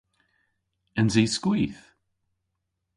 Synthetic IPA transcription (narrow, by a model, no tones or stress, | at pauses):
ənziskwiθ